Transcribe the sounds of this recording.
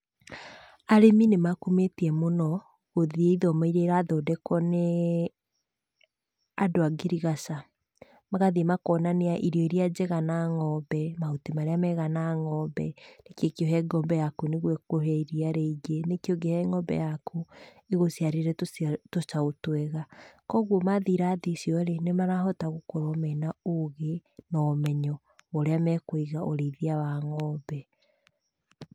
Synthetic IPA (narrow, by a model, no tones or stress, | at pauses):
aɾeminemakumetiɛmonɔ | ɣoðieiðɔmaiɾeɾaðɔdɛkɔne | adoaɡeɾiɣasa | maɣaðemakɔːnaneaʔiɾiɔiɾiad͡ʑeɣanaŋɔbɛmaotemaɾeamɛɣanaŋɔbɛnekjekioɦɛɡɔːmbɛjakuneɣwɛkoɦɛiɾiaɾeiɡenekioɡehɛŋɔmbɛ̰jaku | iɣosiaɾeɾɛtot͡ʃaotwɛɣakɔɣwɔmaðiɾaːðisjɔɾenemaɾaɦɔtaɣokoɾɔmɛnaoɣenɔmɛɲɔ | oɾeamɛkwiɣaʔoɾeiðiawaŋɔbɛ